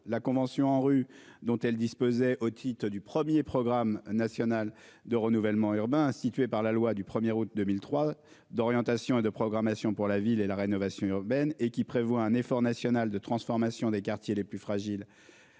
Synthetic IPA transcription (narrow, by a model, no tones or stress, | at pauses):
lakɔ̃vɑ̃sjɔ̃ɑ̃ʁyd̪ɔ̃t̪ɛld̪ispozɛʔot̪ʰit̪χəd̪ypχəmjepχɔɡʁamnasjɔnal | d̪əʁənuvɛlmɑ̃yʁbɛ̃sit̪ɥepaʁlalwad̪ypχəmjɛʁut̪̚d̪əmilt̪χwa | d̪ɔʁjɑ̃t̪asjɔ̃ed̪əpχɔɡʁamasjɔ̃puʁlavilelaʁenɔvasjɔ̃yʁbɛnekʲipχevwaɛ̃nefɔʁnasjɔnald̪ət̪χɑ̃sfɔʁmasjɔ̃d̪ekaʁt̪jeleplyfχaʒil